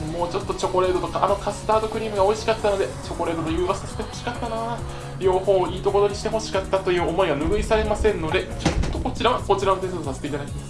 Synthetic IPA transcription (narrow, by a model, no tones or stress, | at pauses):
mo̞ːt͡ɕo̞t̪ːo̞t͡ɕo̞ko̞ɾe̞ːd̪o̞t̪o̞kaʔːno̞kasɨ̥t̪aːd̪o̞kɯ̟ɾʲiːmɯ̟ɡao̞iɕi̥kat̪ːano̞d̪e̞t͡ɕo̞ko̞ɾe̞ːd̪o̞nojɯ̟ːɡasɨ̥kasɨ̥pet̪ːo̥ɕi̥kat̪ːanaː | ɾʲo̞ːho̞ːiːt̪o̞ko̞ɾo̞ɲ̟iɕi̥t̪e̞ɦo̞ɕi̥kat̪ːat̪o̞jɯ̟ːo̞mo̞iɡanɯ̟ɡɯ̟isaɾe̞masẽ̞nːo̞d̪e̞t͡ɕot̪ːo̞ko̞t͡ɕiɾaβako̞t͡ɕiɾanot̪ẽsd̪osasɨ̥t̪eit̪ad̪akʲimas